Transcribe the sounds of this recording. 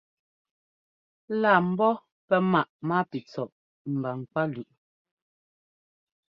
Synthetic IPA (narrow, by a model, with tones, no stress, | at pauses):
laː˨m̩˦bɔ˦ | pɛ˦ma˨ʔma˦pi˨t͡sɔ˨ʔ | m̩˨ba˨ŋ˨k͡pa˦lʉ˨ʔ